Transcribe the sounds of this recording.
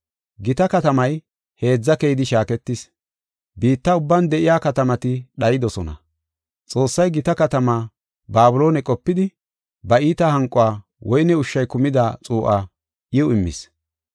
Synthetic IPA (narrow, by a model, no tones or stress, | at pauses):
ɡɪt̪ɐkɐt̪ɐmɐj | he̞ːd͡zːɐkejɪd̪ɪʃaːkɛt̪ːɪs | biːt̪ːɐʊbːɐnd̪ɛʔɪjaːkɐt̪ɐmɐt̪ɪɗɐjɪd̪ɔsɔnɐ̰ | t͡sʼo̞ːsːɐjɡɪt̪ɐkɐt̪ɐmaː | baːbʊlo̞ːnɛkʼɔpːɪd̪ɪ | bɐiːt̪ɐhɐŋkʼʊwaː | wɔjnɛʊʃːɐjkʊmɪd̪at͡sʼuːʔaː | ʔɪʊɪmːɪ̰s